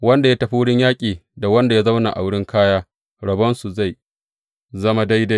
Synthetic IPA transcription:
wɐ˦nda˨ja˦tɐ˨ɸa˦wʊ˦ɽɪ˦ɲjaː˦kʲʼiː˨da˨wɐ˦nda˨ja˦zɐ˦wna̰˨ʔa̰˨wʊ˦ɽɪ˦ŋkʰaː˦jaː˦ | ɽɐ˨bɐ˦nsu˨za˦˨j | zɐ˦ma˦da˦jda˦j

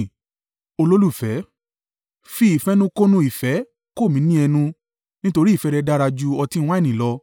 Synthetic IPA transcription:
o˧lo˦lu˦˨fɛ˨˦ | fi˦i˨fɛ˦nũ˦ko˦nũ˧˦i˨fɛ˨˦ | ko˦˨mĩ˨˦nĩ˦ɛ˧nũ˧ | nĩ˦to˧ɾi˦˨fɛ˨˧˦ɾɛ˧da˦ɾa˧d͡ʒu˧ɔ˧tĩ˦˧w̃ã˦˨nĩ˨lɔ˧

